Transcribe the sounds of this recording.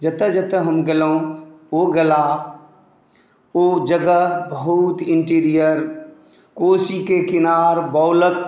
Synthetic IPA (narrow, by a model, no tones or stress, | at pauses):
d͡ʒət̪əd͡ʒət̪əɦəmɡəlõːoɡəla | oːd͡ʒəɡəbəɦut̪ɪ̃ɳʈiːɾijəɾ | koːsikekɪnaːɾbɔːlək̚